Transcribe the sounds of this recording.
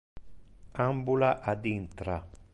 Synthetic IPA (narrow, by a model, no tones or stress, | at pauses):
ambulaʔad̪int̪ɾa